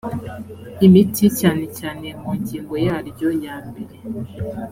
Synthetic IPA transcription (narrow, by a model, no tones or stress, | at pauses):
imiticaːne̞caːne̞muːɲciːŋɡo̞jaɾbɟojaːmbe̞ɾe̞